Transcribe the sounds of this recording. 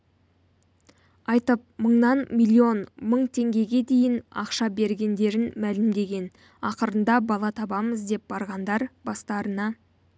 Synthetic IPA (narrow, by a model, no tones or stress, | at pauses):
ɑjt̪əp̚məɴnɑnmʲilʲˠːio̞nməɴt̪ʰe̞ŋɡʲe̞ɡʲe̞d̪e̞jɪnɑ̰qʃɑbe̞ɾɡʲe̞nd̪e̞ɾɪnmælɪmd̪e̞ɡʲe̞n | ɑqəɾənd̪ɑbɑlˠɑt̪ʰɑbɑməzd̪e̞p̚bɑɾʁɑnd̪ɑɾbɑst̪ɑɾənɑ